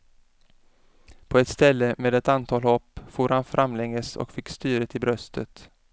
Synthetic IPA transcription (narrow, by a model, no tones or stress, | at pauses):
pʰɔɛt̪st̪ɛlːəmeːd̪ɛt̪ant̪ʰɑːlhɔpːfuːɾhanfɾʔamːlɛŋːəsɔ̰kfɪkːst̪yːɾət̪ʰɪbɾœst̪ʰət̪